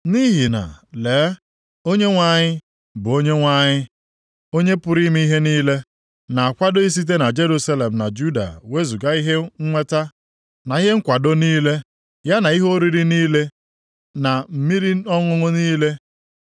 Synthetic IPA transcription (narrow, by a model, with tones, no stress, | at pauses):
ni˦ɦi˨na̰˨le˨˦ | o˦ɲe˦ŋʷa˦ɲɪ˦ | bʊ˨o˦ɲe˦ŋʷa˦ɲɪ˦ | o˦ɲe˦pʊ˦ɾi˦mi˦i˦ɦe˦niː˦le˦ | na˨a˨kʷa˦do˦i˦s̬i˦t̬e˦na˨d͡ʒe˦ɾu˦sa˦le˨m̩˨na˨d͡ʒu˦da̰˨we˦zu˨ɡa˦i˦ɦe˦ŋ̩˦ŋʷe˦ta˦ | na˨i˦ɦe˦ŋ̩˦kʷa˨do˦niː˦le˦ | ja˦na˨i˦ɦo˦ɾi˨ɾi˦niː˦le˦ | na˨m̩˦mi˦ɾi˦ɔ˦ŋʊ˦ŋʊ˦niː˦le˦